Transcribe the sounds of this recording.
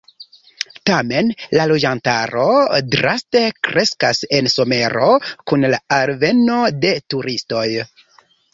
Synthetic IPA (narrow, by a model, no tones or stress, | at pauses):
tame̞nlalo̞d͡ʒantaɾo̞dɾaste̞kɾʔe̞skase̞nso̞me̞ɾo̞kunlaaɾve̞no̞de̞tuɾisto̞j